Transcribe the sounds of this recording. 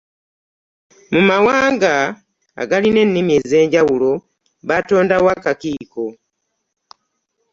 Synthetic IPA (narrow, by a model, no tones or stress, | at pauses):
mumawaːŋɡa̰ː | ɡaline̞nːimjeze̞ːɲɟawulo̞ | βato̞ːndawakakiːko̞